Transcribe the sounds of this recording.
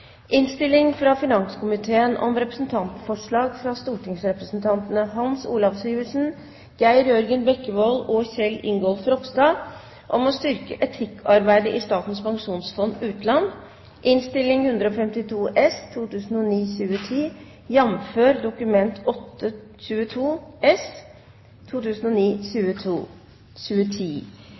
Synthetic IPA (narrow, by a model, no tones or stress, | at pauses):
ʔɪnst̪ɪlːɪŋfɾɑfɪnɑŋskʊmɪt̪ʰeːənʔɔ̰mɾɛpɾəsnt̪ʰɑnt̪fɔʂɭɑːɡfɾɑst̪uːʈʰɪŋsɾɛpɾəsnt̪ʰɑnt̪ənəɦɑnsṵːlɑʋsiːʋəʂn̩ | ɡ̥æɪɾjœɾɡənbɛkːəʋoːlɔːçɛlːɪ̰ŋɡɔːlfɾɔpsd̪ɑː | ʔɔmɔst̪ʏɾkəʔɛt̪ʰɪkʰːɑɾbæɪd̪əʔɪst̪ɑːt̪nspʰɑŋʂuːnsfɔnʉːt̪lɑn | ʔɪnst̪ɪlːɪŋhʉnd̪ɾəɔfɛmt̪ɪt̪ʰuːʔɛst̪ʰuːt̪ʉːsn̩ɔniːɕʉːət̪ʰiː | jɛmføːɾd̪ʊkʉmɛnt̪ʰɔt̪ːə | ɕʉːət̪ʰuːɛs | t̪ʰːuːt̪ʉːsn̩ɔniːɕʉːət̪ʰuː | ɕʉːət̪ʰiː